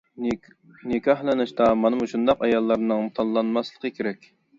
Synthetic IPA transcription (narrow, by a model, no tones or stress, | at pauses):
nɨkʰʲɑhlˠɨnɨʃt̪ɑmɑnɨmuʃund̪ɑqɑjɑlˠːɑɾnɨŋt̪ʰɑnlːˠɑnmɑslˠəqʰəkʲʰeɾɛkʲ